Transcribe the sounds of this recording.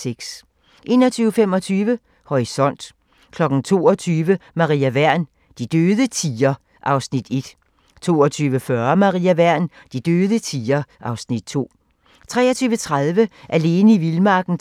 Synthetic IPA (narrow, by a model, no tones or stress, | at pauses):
seɡ̥s | ʔe̝ːnɒt͡sʰyːʊəfem̰ɒ̽t͡sʰyːʋə | hɒisɒ̽n̰d̥ | kʰlɒ̽ɡ̥n̩t͡sʰo̝̰ːɒt͡sʰyːʋəmɑ̈ʁḭæʋæɐ̰n | d̥id̥øːðˠət͡sʰiːɐ | ʔɑ̈ʊsnid̥e̝d̥ | t͡sʰo̝̰ːɒt͡sʰyːʋəfɶɐmɑ̈ʁḭːæʋæɐ̰nd̥id̥øːðˠət͡sʰiːɐʔɑ̈ʊsnid̥t͡sʰo̝̰ː | t͡sʰʁɛ̰ːɐt͡sʰyːʋət͡sʰʁaðˠʋəʔæle̝ːnəiʋilmɑ̈ːɡ̥n̩